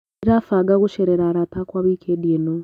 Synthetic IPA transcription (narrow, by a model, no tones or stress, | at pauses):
ɾafaːɡaɣuʃeɾeɾaɾatakwaβiːkʰedijeno